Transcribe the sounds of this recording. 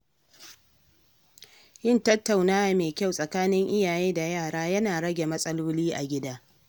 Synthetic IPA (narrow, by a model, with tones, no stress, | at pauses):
jɪ˦˨ntɐ˦tːa˨wnaː˦wa˨meː˨kʲa˦˨wsʼɐ˨kaː˦nɪ˦ŋʔɪ˦jaː˨jeː˦da˨jaː˦˨ɽaː˦jɐ˦naː˨ɽɐ˦ɡʲe˨mɐ˦sʼɐ˦loː˦liː˦ʔa˨ɡʲɪ˦daː˦